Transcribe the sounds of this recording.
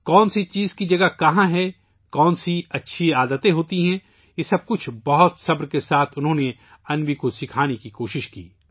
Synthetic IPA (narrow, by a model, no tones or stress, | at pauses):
kɔːnsit͡ʃiːzkid͡ʒɐɡakɐɦãɦɛ | kɔːnsiɐtːʃʰiaːd̪ət̪ẽɦoːt̪iɦɛ̃ | jesɐb̚kʊt͡ʃʰbɐɦʊt̪sɐbɾkesaːt̪ʰʊnɦõːne | ɐnbikosɪkʰaːnekikoːʃɪʃkḭː